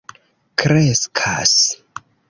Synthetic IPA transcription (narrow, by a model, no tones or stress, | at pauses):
kɾeskʰa̰s